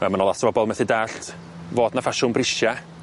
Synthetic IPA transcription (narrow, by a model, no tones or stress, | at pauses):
mɛmanɔlˠasvɔbɔlˠmɛθɪdaɬtʰ | voːdnafaʃʊnbrɪʃja